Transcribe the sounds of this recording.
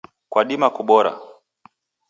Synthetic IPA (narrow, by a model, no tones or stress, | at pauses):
kwaɗimakuɓɔɾa̰